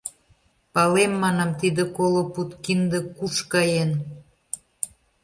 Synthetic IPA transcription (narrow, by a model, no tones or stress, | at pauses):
pɑlemːɑnɑmt̪id̪ə̆koloput̪kind̪ə̆kuʃkɑjen